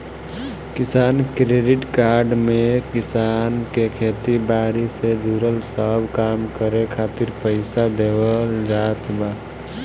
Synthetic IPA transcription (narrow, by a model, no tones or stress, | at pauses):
kɪsaːnkɾeɖiʈkaɾɖmekɪsankekʰet̪ibaːɾised͡ʒʱuɾəlsəbʱkamkəɾekʰaːt̪iɾpəɪsad̪ebəld͡ʒat̪ba